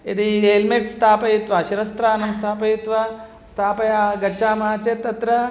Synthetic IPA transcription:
jɐ̰t̪ieːlmeʈst̪ʰaːpɐjut̪ʋɐʃiɾɐst̪ɾaːnɐmst̪ʰaːpɐjut̪ʋɐ | st̪ʰaːpɐjaːɡɐʃaːmɐɦat͡ʃet̪ːɐt̪ɾɐ

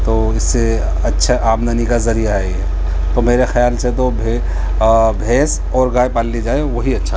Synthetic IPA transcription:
t̪oːɪsːe | ɐtːʃʰaʔaːmd̪ənikazɐɾijaɦɛeɛː | t̪omeːɾexjaːlset̪obʱe | bʱeːs | ɔːɾɡaːepaːlːid͡ʒaːeʋoɦiɐtːʃʰa

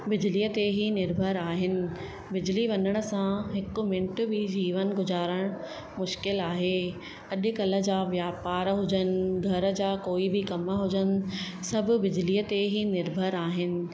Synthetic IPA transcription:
bɪd͡ʑliːət̪eɦinɪɾbʱəɾaːɦɪnɪ̆ | bɪd͡ʑliʋɐnəɽ̃ʊ̆sãɦɪkʊ̆mɪ̃ɳʈ̆bɪd͡ʑiːʋənɡʊzaːɾəɽ̃ | mʊʃkɪlaːɦeː | ɐʄʊ̆kɐlə̆d͡ʑaːʋjaːpaːɾɦʊd͡ʑənɪ̆ɡʱɐɾə̆d͡ʑaːkoːibɪkɐməɦʊd͡ʑənɪ̆ | sɐbʱʊ̆bɪd͡ʑliːət̪eɦinɪɾbʱəɾaːɦɪnɪ̆

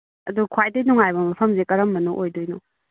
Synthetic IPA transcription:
ɐdukʰwajdɯjnuŋajbɐmɐpʰɐmzekɐɾɐmbɐnuʔojdojnu

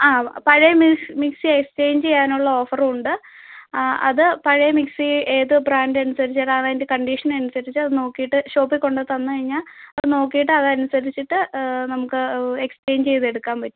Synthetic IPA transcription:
aːpɐɻɐjɐmmiksiekst͡ɕe̞jɲd͡ʑt͡ɕe̞jːaːnuɭːɐo̞ːfɐruɳɖɨ | ɐ̰ðɨpɐɻɐjɐmiksieːðɨbraːndɐnusɐɾit͡ɕːiʈːaːɳɐindekɐɳɖiʂɐnɐnusɐɾit͡ɕːɨɐðɨno̞ːkːijiʈːɨɕo̞ːpːikʲːo̞ɳɖɐt̪ɐnːɨkɐɻiɲːaːlɐðɨno̞ːkːijiʈ̬ːɨɐðɐnusɐɾit͡ɕːiʈːɨnɐmukːɨe̞kst͡ɕe̞ːɲd͡ʑt͡ɕe̞jðe̞ɽukːaːmpɐtːu

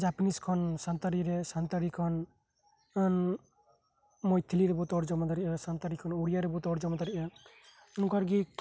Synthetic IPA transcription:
d͡ʒapniskʰɔnsant̪aɾiɾɛsant̪aɾikʰɔn | n | mɔjt̪ʰiliɾɛbɔt̪ɔɾd͡ʒɔmad̪aɾiʔɔsant̪aɾikʰɔnoɽijaɾɛbɔt̪ɔɾd͡ʒɔmad̪aɾiʔɔ | nukaɾɡi

